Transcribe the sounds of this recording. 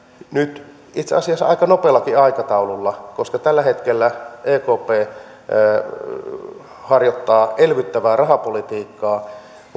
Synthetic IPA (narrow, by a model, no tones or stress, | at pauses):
nyt̪ | it̪seɑsiɑsːɑɑ̰ikɑnopelːɑkiɑikɑt̪ɑululːɑkoskɑt̪ælːæhet̪kelːæʔeːkoːpeː | hɑrjot̪ːɑːʔelʋyt̪ːæʋæːrɑhɑpolit̪iːkːɑː